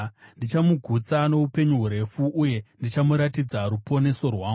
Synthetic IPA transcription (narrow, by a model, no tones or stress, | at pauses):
ndit͡ʃamuɡʱut͡sano̞upe̞ɲuɦuɾe̞fuʔːje̞ndit͡ʃamuɾatid͡zaɾupo̞ne̞so̞rwaː